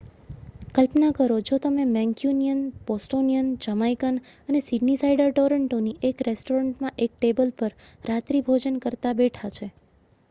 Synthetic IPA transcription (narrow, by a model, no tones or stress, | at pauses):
kəlpnakəɾod͡ʒot̪əmemɛ̃ŋkjunijənbɔsʈonijənd͡ʒəmajkənənesiɖnisaiɖəɾʈoɾəɳʈoniʔekɾesʈoɾəɳʈmãʔek̚ʈebəlpəɾɾat̪ɾibʱod͡ʒənkəɾt̪abeʈʰat͡ʃʰe